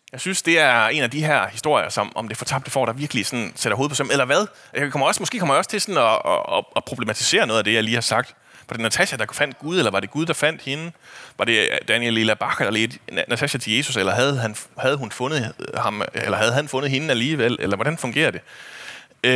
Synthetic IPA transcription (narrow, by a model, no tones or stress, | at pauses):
jɑ̈ɪsynsd̥e̝æɐe̝næd̥iɦæɐ̰hisd̥o̝ɐ̰jɐsɒ̽mɒ̽md̥e̝fɒ̽t͡sʰɑ̈b̥d̥əfɒ̰ːɾ̥ɑ̈ʋiɐɡ̥lisɒ̽n̩seɾ̥ɐɦoːðˠpʰɒ̽sɑm̩elɐʋæð̞ˠ | kʰɒ̽mɐɒ̽smɒ̽sɡ̥e̝̰ːkʰɒmɐjɒ̽st͡sʰe̝lsɒ̽n̩ɒːɒpʰʁo̝b̥le̝mæt͡sʰi̥se̝̰ːɐnɔðˠæd̥e̝jɑ̈ɪliːhɑ̈sɑ̈ɡ̥̚d̥ | ʋɑ̈ɾ̥e̝næt͡sʰæɕæd̥ɑ̈fæn̰d̥̚ɡ̥uðˠelɐʋɑ̈ɾ̥e̝ɡ̥uð̞ˠd̥ɑ̈fæn̰d̥he̝nəʋɑ̈ɾ̥e̝d̥ænjelilæb̥ɑ̈kʰlenæt͡sʰæɕæt͡sʰe̝je̝ːsuselɐɦæð̞ˠɦænhæð̞̩ˠɦunfɔ̽nð̩ˠhɑ̈melɐɦhæð̞ˠɦænfɔ̽nð̩ˠɦe̝næliːʋel̰elɐʋɒɾ̥ænfɔ̽ŋɡ̥e̝̰ɐd̥e̝